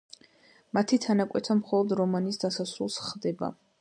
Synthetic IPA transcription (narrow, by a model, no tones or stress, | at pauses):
mat̪ʰit̪ʰanakʼwɛt̪ʰamχɔlˠɔd̪ɾɔmanisd̪asasɾulˠsχd̪ɛba̰